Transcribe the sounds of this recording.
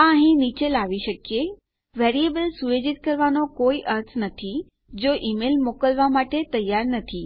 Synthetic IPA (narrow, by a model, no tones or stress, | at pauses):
ãɦĩniːt͡ɕelaːʋiʃɐkije | ʋeːɾiebəlsued͡ʑɪt̪̚kɐɾʋaːnokoːiʔɐɾt̪ʰnɐt̪ʰi | d͡ʑoːʔiːmeːlmoːkəlʋamaːʈet̪ɐjaːɾnɐt̪ʰiː